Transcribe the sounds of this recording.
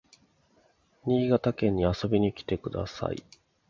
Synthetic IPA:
ɲ̟iːɡat̪akẽ̞ɲ̟ːiaso̞bʲiɲ̟ikʲi̥t̪e̞kɯ̟d̪a̰sa̰ḭ

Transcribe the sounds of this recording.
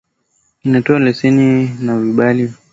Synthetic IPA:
inatɔalɛsɛninaviɓali

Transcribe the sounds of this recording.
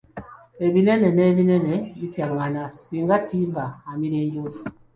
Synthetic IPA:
ebinɛnɛnɛbinɛnɛbitjaŋanasiŋɡatimbaamiɾeɲɡofu

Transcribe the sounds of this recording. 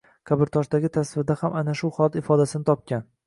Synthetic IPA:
kʰabɪɾt̪ʰɒʃd̪aɡʲɪt̪ʰasvɪɾd̪ahamʔanaʃʊχɒlat̪ɪfɒd̪asɪnɪt̪ʰɒp̚kʲʰan

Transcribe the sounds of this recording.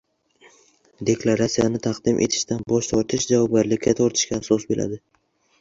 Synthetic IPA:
d̪e̞kʰlˠaɾat̪sijanɪt̪ʰaqd̪ɪmʔe̞̰t̪ʰɪ̥ʃt̪anbɒʃt̪ʰɒɾt̪ʰɪʃd͡ʒavɒb̚ɡʲaɾlɪkʲʰːat̪ʰɒɾt̪ʰɪ̥ʃkʲaːsɒsbelʔa̰d̪ɪ

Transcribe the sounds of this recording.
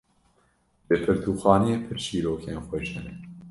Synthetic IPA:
bepʰɨɾt̪ʰuːxɑːnijeːpʰɨɾʃiːɾoːkʰeːnxwɛʃɛɾɛ

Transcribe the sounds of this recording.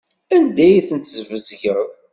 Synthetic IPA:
ænd̪æjθənt̪zvəzʝəð

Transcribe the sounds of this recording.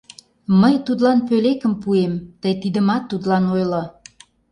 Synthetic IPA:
məjt̪ut̪lɑnpølekə̆mpuemt̪əjt̪id̪əmɑt̪ːut̪lɑnojlo

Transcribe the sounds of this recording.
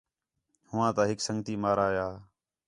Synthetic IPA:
hʊʋãːt̪ãːɦɪksəŋɡt̪iːmaːɾaːjaː

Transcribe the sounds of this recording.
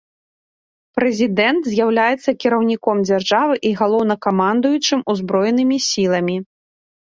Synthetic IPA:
pɾɛzʲid̪ɛnt̪zʲjawlʲajɛt̪sːɐkʲiɾɐwnʲikɔmd͡zʲarʐavɨʔiɣalˠɔwn̪ɐkamand̪ujut͡ʂɨmuzbɾɔjɛnɨmʲisʲilˠɐmʲi

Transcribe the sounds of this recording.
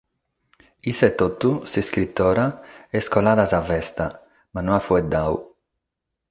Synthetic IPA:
isɛt̪ːot̪ːusiskɾit̪ːɔːɾaɛskɔlaːðazavɛst̪a | manɔafuɛd̪aw̰

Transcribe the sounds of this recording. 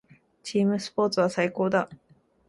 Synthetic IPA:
t͡ɕiːmɯ̟sɨ̥po̞ːt͡sɨβ̞asaiko̞ːd̪a

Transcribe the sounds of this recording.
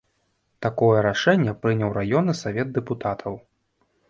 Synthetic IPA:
t̪akɔjɛɾaʂɛnʲːɛpɾɨnʲɛwɾajɔnɨsavʲɛd̪̚d̪ɛput̪at̪ʰɐw

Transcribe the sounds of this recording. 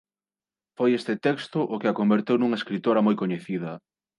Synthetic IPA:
fojest̪ɪt̪ɛkst̪ʊʔʊkɪakombeɾt̪ewnuŋɐeskɾit̪oɾɐmojkoɲeθiðɐ

